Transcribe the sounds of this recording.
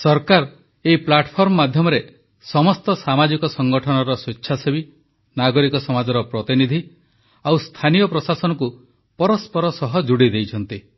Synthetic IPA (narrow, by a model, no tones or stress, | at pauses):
sɔɾkaɾ | eiplaʈpʰɔɾmɔmad̪ʱjɔmɔɾe | sɔmɔst̪ɔsamad͡ʒikɔsɔŋɡɔʈʰɔnɔɾɔsetːʃʰasebi | naɡɔɾikɔsɔmad͡ʒɔɾɔpɾɔt̪inid̪ʱi | awst̪ʰanijɔpɾɔsasɔnɔku | pɔɾɔspɔɾɔsɔɦɔd͡ʒuɽid̪ejt͡ʃʰɔnt̪i